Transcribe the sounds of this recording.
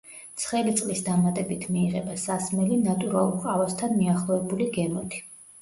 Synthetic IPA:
t̪sʰχɛlit̪sʼlisd̪amat̪ʼɛbit̪ʰmiːʁɛbasasmɛlinat̪ʼuɾalˠuɾqʼavast̪ʰanmiaχlˠɔɛbuliɡɛmɔt̪ʰi̥

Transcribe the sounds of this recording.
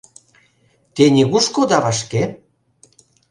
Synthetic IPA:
t̪enʲiɣuʃkod̪ɑβaʃke

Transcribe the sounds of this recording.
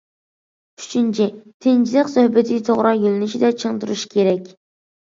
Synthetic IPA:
y̥t͡ʃʰint͡ʃʰit̪ʰɪnd͡ʒilɪqsøhbɪt̪ʰɪt̪ʰoʁɾʔɑjylɪnyʃid̪ɛt͡ʃʰəŋt̪uɾuʃkʲʰeɾɛkʲ

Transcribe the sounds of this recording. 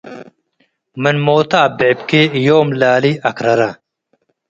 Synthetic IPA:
mɐnmoːt̪aːbepkejoːmlaːliɐkɾɐɾa

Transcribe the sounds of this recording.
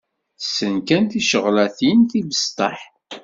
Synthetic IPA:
sːənkænθiʃəʁlæθinθivəst̪ˤɑħ

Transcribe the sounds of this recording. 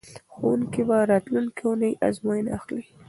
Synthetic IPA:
xowunkibaɾɑt̪luŋkiunəjʔa̰zmajənaaxli

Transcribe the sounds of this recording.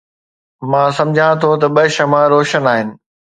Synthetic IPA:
mãːsɐ̃md͡ʑʱãt̪ʰot̪ɐɓɐʃɐmãɾoːʃənaːɦɪnɪ̆

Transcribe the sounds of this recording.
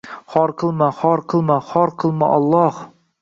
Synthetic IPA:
hɒɾqʰɨlˠmaχɒɾqʰɨlˠmaχɒɾqʰɨlˠma̰ʔɒlˠːɒh

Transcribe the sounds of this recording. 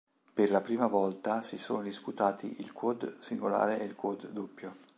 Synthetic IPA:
perlapɾiːmavɔlt̪asiso̰ːnod̪isput̪aːt̪ʰḭilkʰod̪siŋɡola̰ːɾeilkod̪ːopːjo

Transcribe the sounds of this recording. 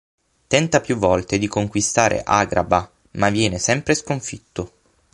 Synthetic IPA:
t̪ɛnt̪apjuvːɔlt̪ed̪ikoŋkwist̪aːɾḛʔaɡɾa̰ba | mavːjɛːnesɛmpɾeskoɱfit̪ːo

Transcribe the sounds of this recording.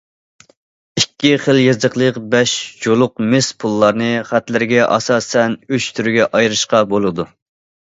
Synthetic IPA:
ikʲːiχəlˠjezd̪əqlˠəqbɛʃd͡ʒolˠʊq̚mɪspʰulˠːɑɾnɨχæt̪lɪɾɪɡʲɛʔɑ̰sɑːsɛnyt͡ʃt̪ʰyɾɡʲɛʔɑjɾɨʃqɑbolˠɨd̪u

